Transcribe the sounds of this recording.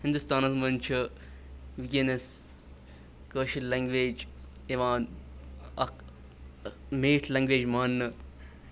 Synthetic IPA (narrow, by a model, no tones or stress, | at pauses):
hɪ̃nd̪ust̪aːnɐsmɐnt͡ʃʰɐ | ʋikʲenɐs | kəːʃillɐŋɡʋeːd͡ʒ | eʋaːn | ɐk | meːʈʰlɐ̃ŋɡʋeːd͡ʒmaːnːɨ